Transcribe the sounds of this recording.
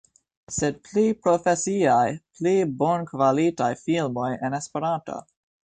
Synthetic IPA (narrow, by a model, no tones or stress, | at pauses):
sed̚plipɾofesiajplibo̞nkvalitajfilmo̞jenespeɾanto̰